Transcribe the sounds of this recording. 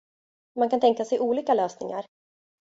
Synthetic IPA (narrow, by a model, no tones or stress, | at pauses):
mankʰant̪ɛŋkasɛjʔuːliːkaløːsnɪ̰ŋa̰ɾ